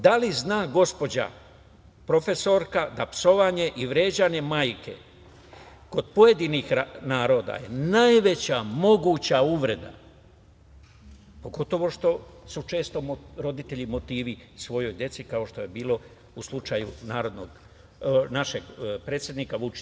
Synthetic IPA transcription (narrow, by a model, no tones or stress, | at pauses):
d̪aliznaːɡo̞spo̞d͡ʑa̰ | pɾo̞fe̞so̞ɾkad̪apso̞ʋaɲe̞ʔiʋɾe̞ːd͡ʑaɲe̞maːjke̞̰ | ko̞d̪po̞je̞d̪inixanaːɾo̞ːd̪a̰je̞̰najʋe̞t͡ɕamo̞ɡuːt͡ɕauʋɾe̞d̪a̰ | po̞ɡo̞t̪o̞ʋo̞ʃt̪o̞sut͡ʃe̞ːst̪o̞mɾo̞d̪it̪e̞ʎimo̞t̪iːʋisʋo̞jo̞jd̪je̞t̪sikao̞ʃt̪o̞je̞biːlˠo̞ | uslˠut͡ʃajunaːɾo̞d̪no̞ɡ | naʃeɡpɾe̞ːt̪sjed̪nikaʋut͡ʃi̥